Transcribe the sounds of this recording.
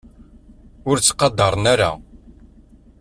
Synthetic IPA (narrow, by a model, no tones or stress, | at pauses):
ʊɾt͡sːqːɑd̪ɑɾˤnæɾa̰